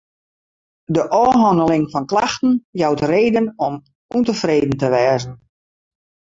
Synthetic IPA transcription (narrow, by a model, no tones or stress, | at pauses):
dəʔɔːɦɔndəlɪŋfɔnklaxtən̩jawtreːdənɔm | untəfreːdən̩təʋɛːzən̩